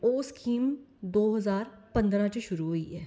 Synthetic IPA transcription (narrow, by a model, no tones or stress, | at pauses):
oːskʰiːmd̪oːɦɐzaːɾpɐ̃nd̪ɾãt͡ʃeʃʊɾuɦoḭɦɛː